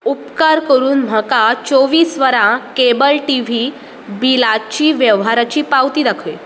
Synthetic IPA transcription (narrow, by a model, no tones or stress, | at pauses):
upkaɾkəɾuːnm̤əkat͡soʋiːsʋəɾãkebəlʈiʋ̤iː | bilat͡ɕiːʋjəʋɦaɾat͡ɕiːpawt̪iːd̪akʰʋe